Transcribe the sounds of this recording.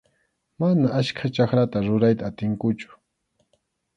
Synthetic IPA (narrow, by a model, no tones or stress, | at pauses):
manaʔaskʰat͡ʃakɾat̪aɾʊɾajt̪aːt̪ɪŋkʊt͡ʃʊ̥